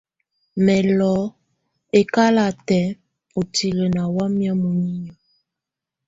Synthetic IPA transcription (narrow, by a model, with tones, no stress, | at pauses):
mɛ˨lɔ˨˦ | e˨ka˦la˨tɛ˨˦ | o˨ti˨le˨na˨wa˦mja˦mo˨ni˦ɲa˨